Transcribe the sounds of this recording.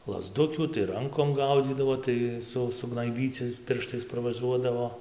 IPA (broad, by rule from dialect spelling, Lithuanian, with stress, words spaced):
lˠɐzˈdʊkʲuː tɐɪ ˈrɐŋkoːm ˈɡɐʊd͡zʲiːdɐʋoː ˈtɐɪ ˈsʊ sʊɡnɐɪˈbʲiːt͡sʲɪ ˈpʲɪrʃtɐɪs pɐrʋɐˈʒuɔdɐʋoː